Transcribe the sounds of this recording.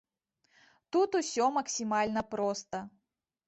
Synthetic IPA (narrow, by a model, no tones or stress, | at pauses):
t̪ut̪usʲɔmɐksʲimalʲnɐpɾɔst̪ɐ